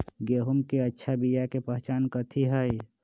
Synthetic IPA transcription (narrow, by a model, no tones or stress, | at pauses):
ɡeːɦumkeətːʃʰabijakepəɦt͡ʃaːnkət̪ʰiɦəj